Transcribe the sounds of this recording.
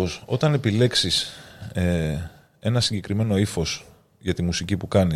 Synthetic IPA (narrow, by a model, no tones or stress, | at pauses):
oso̞t̪ɐne̞pile̞ksise | e̞nɐsiɲɟe̞kɾime̞no̞ifo̞s | ʝɐt̪imusicipukɐni